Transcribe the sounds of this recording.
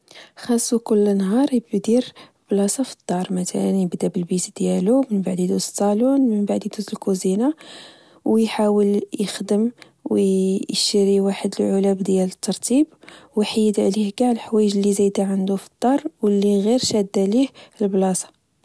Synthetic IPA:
xɑsˤːukʊlːnɦɑɾˤjəbd̪iɾ | blɑsˤɑfi̥d̪̥ˤːɑɾˤmæt̪ʰæ̰lənjəbd̪abəlbisd̪jælumənbaʕd̪id̪usɑlunmənbaʕd̪id̪uzəlkuzina | wjħawəljəxd̪əm | wjʃəɾiwaħəd̪əlʕʊlæbd̪jælət̪ːɑɾˤt̪ʰibwjħajːəd̪ʕlihɡaʕlħwæjəʒəlːizæjd̪aʕənd̪ufi̥d̪̥ˤːɑɾˤwəlːiɣiɾʃæd̪ːalihəlblɑsɑ̥

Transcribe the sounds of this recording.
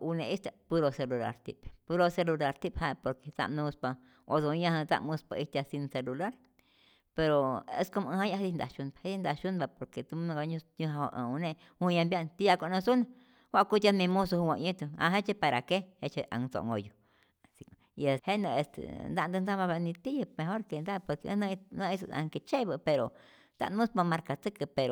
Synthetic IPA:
unẽʔist̪apuɾoselula̰ɾt̪ḭppuɾoselulaɾt̪iphapoɾket͡sa̰mnũspa | ozojãhat͡sa̰ʔmũspaist̪asinselulaɾ | peɾoḛskomə̃hãjaɦedind̪a̰ʃunḁheind̪aʃunbapoɾket̪ũɡaɲũɲũhaa̰ʔə̃unẽ | hũjãmbjaʔnt̪ijakʷanãsuna | wʷaʔkut̪jamĩmũs̬ohuwãʔɲĩt̪uã̰ɦet͡ʃepaɾakehet͡ʃeʔa̰ŋt͡so̰ʔŋɡoju | si | iehenəest̪ḛnd̪aʔnd̪ɨnd͡zamãβanĩt̪ijamẽɦoɾkend̪aposkeʔə̰̃nãnə̃isa̰ŋket͡ʃebəpeɾo | t̪a̰mũspamaɾkat͡sɨkəpeɾo

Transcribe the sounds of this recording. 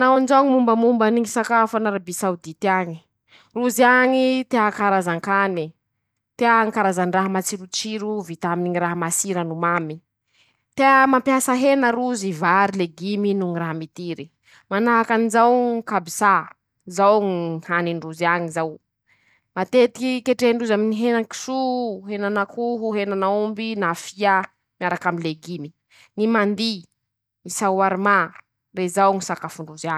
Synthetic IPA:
nawanizawŋimumbəmumbaniŋisakafanaɾabisawd̪it̪iaɲi̥ | ruziaɲit̪eakaɾazaŋkani | t̪eaŋkaɾazanraɦamat͡siɾut͡siɾuvit̪aminiɲiɾaɦamasiɾənumami | t̪eamampjasaɦenəɾuzivaɾileɡiminuŋiraɦamit̪iɾi | manaɦakanizawkabisa | zawŋihaniɳɖ͡ʐuzaɲizaw | mat̪et̪i̥kikeʈ͡ʂeɳɖ͡ʐuzaminiɦenaki̥suɦenanakuɦuɦenanaumbinafiə | miaɾakaminleɡimi | nimand̪i | isawaɾma | rezawŋisakafuɳɖ͡ʐuzia

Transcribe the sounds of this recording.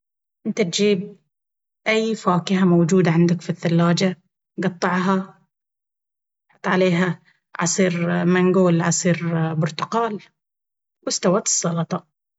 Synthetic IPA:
ʔɪnt̪at̪d͡ʒiːb̚ | ʔajːfaːkɪɦamowd͡ʒuːd̪aʕand̪akfiθːalːaːd͡ʒa | ɡɑt̪ˤːɑʕɦa | ħat̪ˤʕaleːɦa | ʕɑ̰sˤiːɾmaŋɡoːlʕɑsˤiːɾbʊɾt̪ʊqɑːl | wɪst̪awaːt̪ɨ̥sˤːɑlɑt̪ˤɑ

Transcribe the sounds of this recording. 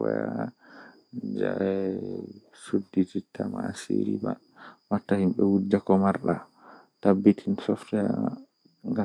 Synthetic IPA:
ɔja | d͡ʒaɛ | sudːititːamaseɾḭma | matːahimɓɛwudːakɔmaɾɗa̰ | tabːitʰinsɔftɛ | ŋɡa

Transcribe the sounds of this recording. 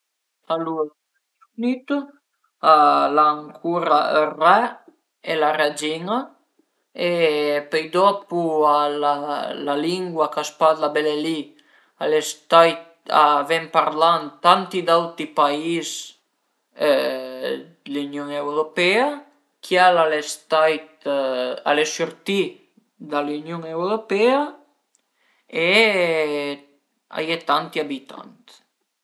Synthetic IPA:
alu | aat̪unit̪u | alaːŋkʰuɾarɛ | elarad͡ʒiŋa | epɛjd̪ɔpualalaliŋɡwakaspat̪labeleli | alest̪aj | a̰vɛmpaɾlant̪ant̪id̪awt̪ipais | lynjoŋewɾopɛa | kʰjalalest̪ajt̪ | a̰lesyɾt̪i | d̪alynjoŋewɾopɛa | e | a̰jet̪ant̪iabit̪a̰nt̪

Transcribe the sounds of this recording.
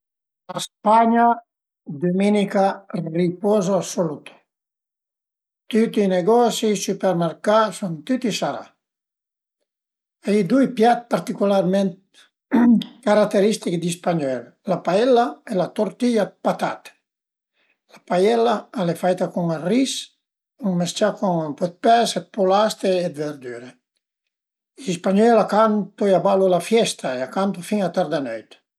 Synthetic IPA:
laspaɲa | d̪uminikaripɔzoasolut̪ʰo̥ | t̪ut̪iːneɡɔsisypeɾmeɾkasunt̪ut̪isaɾa̰ | aid̪uipjat̪̚paɾt̪ikularment̪ | kaɾat̪ːeɾist̪ikd̪ispaɲɔl | lapaɛlːaɛlat̪oɾt̪iʎapat̪at̪ | lapajɛlaalefajt̪akuŋaris | uŋmest͡ʃakʰuŋpɔt̪̚pɛset̪̚pulast̪eːd̪veɾd̪yɾe | ispaɲɔlakant̪ueabalolafjɛst̪ʰaeakant̪ufiŋat̪aɾd̪anøjt̪

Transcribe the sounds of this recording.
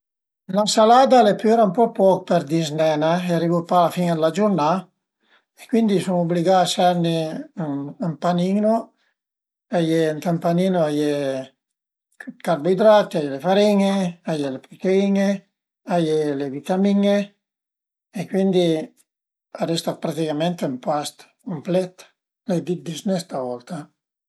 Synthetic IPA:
lasalaːd̪alepeɾaumpɔpɔkpɛɾd̪iznɛnaeaɾivupalafiːŋed̪lad͡ʒuɾna | ekwind̪isoŋobliɡaasɛɾne | ampanino | ajeŋt̪ampaniːnoaje | kaɾbid̪ɾat̪iajelefaɾiŋeajelepikeiŋe | ajelevit̪amiŋe | ekwind̪i | ad̪ɛst̪apɾat̪ikament̪eumpast̪ | kumplɛt̪ | led̪id̪isnɛst̪avɔlt̪a

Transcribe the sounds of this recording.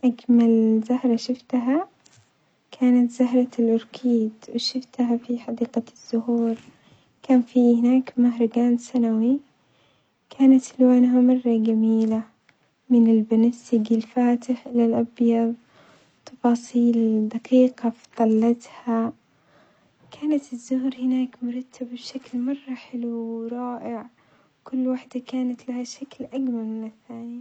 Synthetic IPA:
ʔaɡmalzahɾˤɑʃɪft̪aɦa | kʰaːnat̪zaɦɾˤɑlʔʊɾkʰiːd̪wɪʃɪft̪ɦafiħɑd̪iːqɑz̥ːʊhuːɾ | kaːnfihɪnaːkmaɦɾˤɪɡaːnsanawi | kʰaːnat̪hɪlwaːnɦamɑrˤːɑɡamiːla | mɪnɪlbanasɪɡilfaːt̪ɪħʔɪlalʔɑbjɑðˤ | t̪ʰːɑfɑːsˤiːld̪aqiːqɑft̪ˤɑlːɑt̪ha | kʰaːnat̪ɪzːʊhɾhɪnaːkmʊɾˤɑt̪ːabbʃaklmɑrˤːɑħɪluɾˤɑːʔɪʕ | kʊlːwaħd̪akaːnat̪lahaʃaklʔaɡmaɾˤmɪnɪθːaːni

